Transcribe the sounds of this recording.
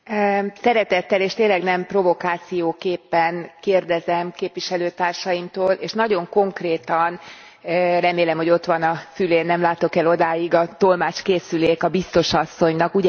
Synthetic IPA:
sɛɾɛt̪ɛt̪ːɛleːʃt̪eːnlɛɡnɛmpro̞vo̞kaːt̪sijoːkeːpːɛnkeːrd̪ɛzɛmkeːpviʃɛløːt̪aːrʃɒjimt̪oːleːʃnɒɟo̞ŋko̞ŋkreːt̪ɒn | rɛmeːlɛmho̞ɟo̞t̪ʋɒnɒsyleːnːɛmlaːt̪o̞kɛlo̞d̪aːjiɡɒt̪o̞lmaːt͡ʃkeːsyleːkɒbist̪o̞ʃɒsːo̞ɲnɒkuɟ

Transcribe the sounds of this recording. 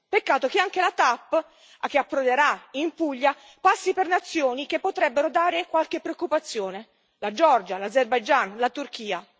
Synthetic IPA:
pekːaːt̪ok̟eaŋkelat̪apː | ak̟ːeapːɾoleɾaimpuʎːa | pasːipernat̪sːjoːnik̟epːot̪ɾɛbːeɾod̪aːɾekwalk̟epːɾeokːupat̪sːjoːne | lad͡ʒɔrd͡ʒalazerbajd͡ʒanlat̪urk̟iːa

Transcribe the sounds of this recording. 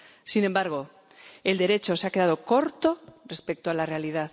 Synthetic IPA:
sinẽ̞mbaɾɣ̞o̞ | e̞ld̪e̞ɾe̞t͡ʃo̞seake̞ðaðo̞ko̞ɾt̪o̞re̞spe̞k̚t̪oalare̞aliðað

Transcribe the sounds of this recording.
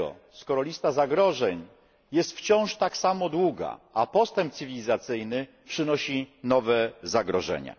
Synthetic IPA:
ɔ̰ | skɔɾɔlʲist̪azaɡɾɔʐɛɲ | jɛst̪ft͡ɕɔ̃w̃ʂt̪aksamɔd̪wuɡa̰apɔst̪ɛmpt̪sɘvʲilʲizat̪sɘjnɘ | pʂɘnɔɕinɔvɛzaɡɾɔʐɛ̰ɲa̰

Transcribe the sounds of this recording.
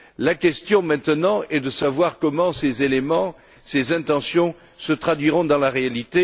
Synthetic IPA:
lakʲɛst̪jɔ̃mɛ̃t̪ənɑ̃ɛd̪əsavwaʁkɔmɑ̃sezelemɑ̃ | sezɛ̃t̪ɑ̃sjɔ̃ | sət̪χad̪ɥiʁɔ̃d̪ɑ̃laʁealit̪e

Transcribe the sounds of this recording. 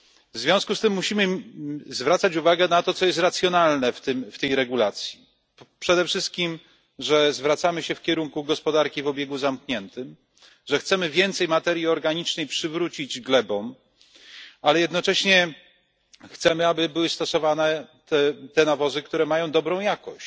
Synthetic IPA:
vzvʲjɔ̃w̃skust̪ɘmːuɕimɘzvɾat̪sat͡ɕuvaɡɛnat̪ɔt̪sɔjɛst̪ɾat̪sʲjɔnalnɛft̪ɘmft̪ɛjɾɛɡulat̪sʲji | pʂɛd̪ɛfʂɘst̪̚kʲim | ʐɛzvɾat̪samɘɕɛfkʲɛɾuŋkuɡɔspɔd̪aɾkʲivɔbʲjeɡuzamkɲɛnt̪ɘm | ʐɛxt̪sɛmɘvʲjɛnt̪sɛjmat̪ɛɾʲjiɔɾɡaɲit͡ʂnɛjpʂɘvɾut͡ɕid͡ʑɡlɛbɔm | alɛjɛd̪nɔt͡ʂɛɕɲɛ | xt̪sɛmɘabɘbɘwɘst̪ɔsɔvanɛt̪ɛt̪ɛnavɔzɘkt̪uɾɛmajɔ̃w̃d̪ɔbɾɔ̃w̃jakɔɕ

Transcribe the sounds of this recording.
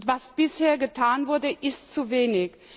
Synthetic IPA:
tv̥asb̥ɪsheːɐɡətʰaːnvʊɐdəʔɪstt͡suveːnɪç

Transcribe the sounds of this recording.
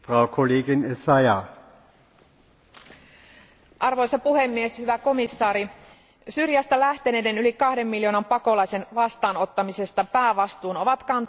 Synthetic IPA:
fʁɑʊkʰoleːɡɪnesɑjɑ | ʔɑrʋo̞jsɑpuhe̞mːie̞shyʋæko̞misːɑːɾi | syrjæst̪ælæht̪e̞ne̞ːde̞nylikɑhde̞mːiljo̞ːnɑmpɑko̞lɑjse̞nʋɑst̪ɑːno̞t̪ːɑmise̞st̪ɑpæːʋɑst̪uːno̞ʋɑt̪kɑnt̪

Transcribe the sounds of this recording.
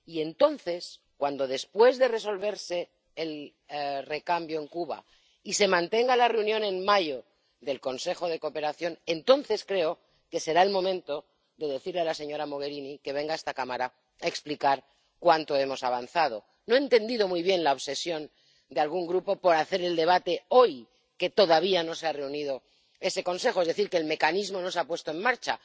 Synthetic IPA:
ie̞nt̪o̞nθe̞s | kwand̪o̞ð̞e̞spwe̞zðe̞re̞so̞lβe̞ɾseː | l | re̞kambjo̞eŋkuβa̰ | ise̞mãnt̪e̞ŋɡalare̞unjõ̞nenmaʝo | ðe̞lko̞nse̞xoð̞e̞ko̞pe̞ɾaθjo̞nent̪o̞nθe̞skɾe̞o | ke̞se̞ɾaelmõ̞mẽ̞nt̪o̞ | ðe̞ðe̞θiɾlealase̞ɲo̞ɾamo̞ɣ̞e̞ɾinike̞β̞e̞ŋɡaest̪akamaɾa | aeksplikaɾ | kwant̪o̞e̞mo̞saβ̞anθað̞o̞ | noent̪e̞nd̪ið̞o̞mujβ̞je̞nlaoβse̞sjo̞n | d̪ealɣuŋɡɾupo̞po̞ɾaθe̞ɾe̞ld̪e̞β̞at̪e̞o̞j | ke̞t̪o̞ðaβ̞iano̞seare̞unið̞o̞ | e̞se̞ko̞nse̞xo̞ezðe̞θiɾkeːlme̞kanizmo̞no̞sapwe̞st̪oe̞mmaɾt͡ʃa

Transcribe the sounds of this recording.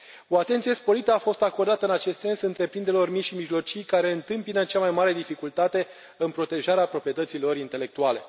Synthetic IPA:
o̞at̪e̞nt̪sije̞spo̞ɾit̪əafo̞st̪ako̞rd̪at̪əɨnat͡ʃe̞st̪se̞nsɨnt̪ɾe̞pɾind̪eɾelo̞rmiʃimiʒlo̞t͡ʃijkaɾe̞ɨnt̪ɨmpinət͡ʃamajmaɾe̞d̪ifikult̪at̪e̞ | ɨnpɾo̞t̪e̞ʒaɾeapɾo̞pɾije̞t̪ət̪silo̞ɾint̪e̞le̞k̚t̪uale̞

